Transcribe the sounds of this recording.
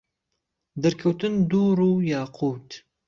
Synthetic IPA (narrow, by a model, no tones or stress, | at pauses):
d̪ɐɾkʰɐwt̪ʰɨnd̪uːɾuːjɑːqʰuːt̪